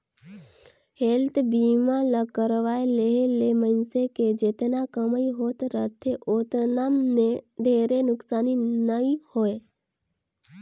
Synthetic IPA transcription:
helt̪ʰbiːmãləkəɾʋaːeleɦlemənseked͡ʒet̪nakəməiɦoːt̪ɾət̪ʰeʔoːt̪naːmnẽɖʱeːɾenʊksaːninəĩhoːe

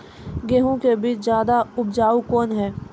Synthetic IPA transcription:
ɡeːɦõkebiːt͡ʃzjaːd̪aʊbd͡ʒaːukɔːnɦɛː

